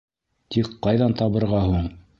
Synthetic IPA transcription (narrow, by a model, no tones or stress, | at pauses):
t̪ikqːɑjðɑnt̪ɑβɤ̆ɾʁɑɦuɴ